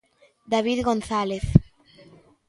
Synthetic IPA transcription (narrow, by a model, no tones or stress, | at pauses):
d̪aβiðɣonθaleθ